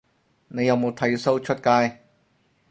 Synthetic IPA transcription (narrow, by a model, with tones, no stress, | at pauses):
ne˨˧jɐ˨˧wmo˨˧wt̪ʰɐ˨˥jso˥wt͡ʃʰɵ˥t̚kaː˥j